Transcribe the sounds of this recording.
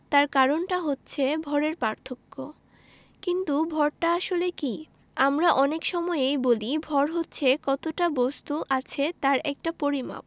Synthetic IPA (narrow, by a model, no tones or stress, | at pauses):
t̪aɾkaɾonʈaɦotːɕʰebʱɔɾeɾpaɾt̪ʰokːo̰ | kint̪ubʱɔɾʈaaʃoleki | amɾaʔɔnekʃɔmɔeejbolibʱɔɾɦotːɕʰekɔt̪oʈabɔst̪uʔat͡ɕʰet̪aɾɛk̚ʈapoɾima̰p̚